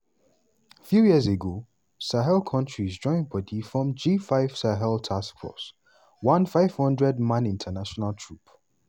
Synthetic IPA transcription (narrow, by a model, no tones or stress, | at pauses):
fjujiəzeɡo | saɦɛlkʰʌ̃ntʰɹizd͡ʒɔ̃ɪ̃npʰɔdʰifɹɔ̃md͡ʒifaɪv̥saɦɛlˠtʰaskfɔ̰s | wʌ̃nfaɪv̥hʌ̃ndɹɛd̚mãnĩntʰənaʃɔnalˠtʰɹup